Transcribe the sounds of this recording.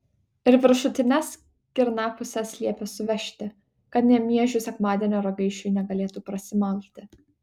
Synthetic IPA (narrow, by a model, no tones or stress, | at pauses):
ɪɾʋʲɪɾʃʊt̪ʲɪnʲɛs | kʲɪɾnɑːpʊsʲɛsʲlʲiɛpʲesʊʋʲɛʃʲt̪ʲɪ | kɐt̪nʲɛmʲiɛʒʲʊsʲɛkmɑːd̪ʲiɛnʲoːɾɐɡɐɪʃʲujnʲɛɡɐlʲeːt̪uːpɾɐsʲɪmɐlʲt̪ʲɪ